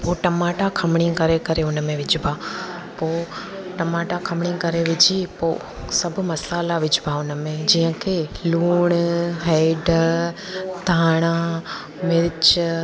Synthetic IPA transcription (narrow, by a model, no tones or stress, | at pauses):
poːʈɐmaːʈakʰɐmɪɽ̃ikɐɾekɐɾeʊnəmẽʋɪd͡ʑʱɪbʱa | poː | ʈɐmaːʈakʰɐmɽ̃ikɐɾeʋɪd͡ʑʱipoː | sɐbʱʊmɐsaːlaʋɪd͡ʑʱɪbʱaʊnə̆mẽd͡ʑiːə̃kʰeluːɽ̃ɦɛɪɖ | d̪ʱaːɽ̃a | mɪɾt͡ʃ